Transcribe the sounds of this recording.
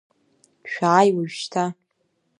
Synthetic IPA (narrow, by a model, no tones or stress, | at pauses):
ʃᶣaːjwaʒʃtʰa